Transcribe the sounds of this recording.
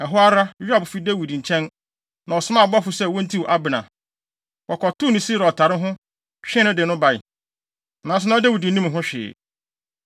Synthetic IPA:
ɛ˨ɦʊ˦a˦ɾa˦ɥᶣɪ˦a˨bʊ˨fi˦de˦wi˨dĩ˨ɲ̩˨t͡ɕʰɛ̃˦n | nã˨ɔ˨sʊ˦mã˦˨bɔ˦fʊ˨sɛ˦˨wɔ̃˦n̩˦tʰi˦wʔa˦bɪ˨nã˨ | wɔ˨kʰɔ˨tʊ˦nĩ˨si˦ɾɔ˨tʰa˨ɾɪ˦ɦʊ̃˦ | ɕᶣɪ̃˦nʊ̃˦dɪ˨nʊ̃˦ba˨ɪ˨ | nã˨s̬ʊ˦nã˦de˦wi˨dĩ˨˦ĩ˦m˨ɦʊ̃˦ɕᶣɪ̰˨

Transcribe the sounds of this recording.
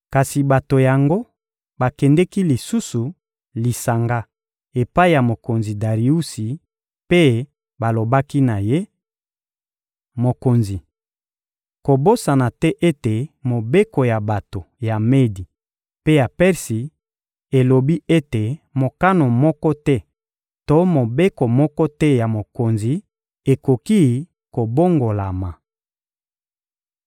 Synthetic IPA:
ka˨si˨ba˨to˨ja˨ŋɡo˦ | ba˨kɛ˨ndɛ˦ki˦li˨su˦su˨ | li˨sa˨ŋɡa˦ | e˨pa˦i˦ja˨mo˨ko˨nzi˨da˨ʁi˨u˦si˨ | pe˦ | ba˨lo˨ba˦ki˦na˨je˦ | mo˨ko˨nzi˨ | ko˨bo˦sa˨na˨tɛ˦ʔe˦te˨mo˨be˦ko˨ja˨ba˨to˨ja˨me˦di˨ | pe˦ja˨pɛ˦ʁsi˨ | e˨lo˨bi˦e˦te˨mo˨ka˦no˨mɔ˦kɔ˦tɛ˦ | to˦mo˨be˦ko˨mɔ˦kɔ˦tɛ˦ja˨mo˨ko˨nzi˨ | e˨ko˨ki˦ | ko˨bo˦ŋɡo˨la˨ma˨

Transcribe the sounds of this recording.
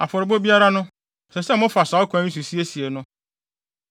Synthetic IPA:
a˨fɔ˨ɾɪ˨bo˦bi˦a˦ɾa˦nʊ̃˦ | sɛ˨sɛ˦mʊ̃˦fa˨sa˨˦ɔ˦kʰːɲĩ˦su˨si˦e˦si˨e˨nʊ̃˦

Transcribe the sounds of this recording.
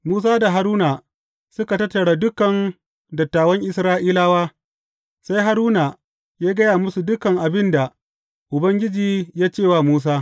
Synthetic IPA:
muː˦s̬aː˦da˨ɦa˨ɾuː˦naː˨ | sʊ˦ka˨tɐ˦tːɐ˨ɽaː˦dʊ˦kɐ˨n | dɐ˨tːaː˨wɐ˦ŋʔɪ˨sɾaː˦ʔiː˦laː˦waː˦ | sa˦jɦa˦ɾuː˦na˨ | jaː˦ɡɐ˦jaː˨mʊ˦su˨dʊ˦kɐ˨ŋʔa˨bɪ˦nda˨ | ʔʊ˨bɐ˦ŋɡʲɪ˦d͡ʒiː˨jaː˦t͡ʃeː˦˨waː˦˨muː˦s̬aː˦

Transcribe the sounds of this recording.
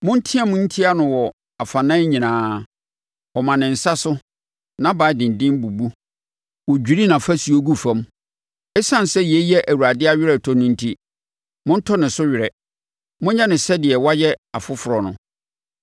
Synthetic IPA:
mʊ̃˦n̩˦tʰĩ˦a˦mʊ̃˦n̩˦tʰi˦a˦nʊ̃˨wɔ˨ | a˨fa˨nã˦ɲĩ˨nãː˨˦ | ɔ˨mã˨nɪ̃˨n̩˨sa˦sʊ˦ | nã˦baː˨˦˨dɪ̃˨n˨dɪ̃˦m˦bu˨bu˦ | wɔ˨d͡ʑᶣi˨ɾi˦nã˨fa˦su˨o˦ɡu˦fã˦m | ɛ˦sã˦n˨sɛ˦jɛ˦jɛ˦ʔæ˨wu˨ɾa˨dɪ˦a˦ɥᶣɪ˦ɾɛ˨tʰɔ˦nʊ̃˦n̩˦tʰi˦ | mʊ̃˦n̩˦tʰɔ˦nɪ̃˨sʊ˦ɥɪ˨ɾɛ˨ | mʊ̃˦ɲã˦nɪ̃˨sɛ˦dɪ˨ɛ˨wa˦jɛ˦a˨fʊ˦fʊ˨ɾɔ˨nʊ̰̃˨

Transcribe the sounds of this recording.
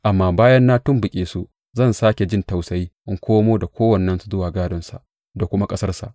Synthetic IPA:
ʔa˨mːaː˨baː˦jɐ˦nːaː˦tʊ˦mbʊ˨kʲʼeː˨su˦ | zɐ˦˨nsaː˦kʲe˨d͡ʒɪ˦˨nta˨wsa˦jiː˦ʔɪ˦ŋkʷoː˦moː˦da˨kʷʰoː˦wɐ˨nːɐ˦nsu˨zʊ˦waː˨ɡaː˦dɔ˦nsa̰˨ʔ | da˨kʷʊ˦ma˦kʼɐ˦sɐ˦rsa̰˨ʔ

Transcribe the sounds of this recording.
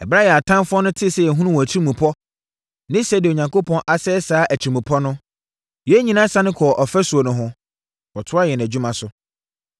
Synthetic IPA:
ɛ̰˨bɾa˦jɛ˨a˨tʰã˦mfʊ˦ɔ˦nʊ̃˦tʰɪ˦sɛ˨jɛ˨ɦũ˦nũ˦wɔ̃˨æ˨t͡ɕʰi˦ɾi˦mũ˨pʰɔ˦ | nɪ̃˦sɛ˦dɪ˨o˨ɲã˨ŋkʰo˦pʰɔ̃˦nʔa˨sɛ˦saː˨˦ʔæ˨t͡ɕʰi˨mũ˨pʰɔ˦nʊ̃˦ | jɛ˨˦ɲĩ˦nã˦sa˦nɪ̃˦kʰɔ˨ʔɔ˨fɛ˦su˨o˨nʊ̃˨ɦʊ̃˦ | wɔ˨tʰʊ˦a˦jɛ˨n˨æ˨d͡ʑᶣu˦mã˨sʊ˨˦

